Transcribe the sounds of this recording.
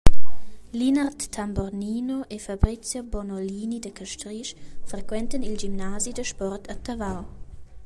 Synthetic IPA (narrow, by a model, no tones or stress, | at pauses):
linart̪ːambɔrniːnoʔefabɾit͡sjobɔnoliːnidəkaʃtɾiʃfrekwɛntənild͡ʒimnazidəʃpɔrtʰat̪avaw